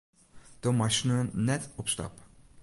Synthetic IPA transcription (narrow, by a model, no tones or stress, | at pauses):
t̪omat͡ʃnujɛnɛt̪ɔpst̪a̰p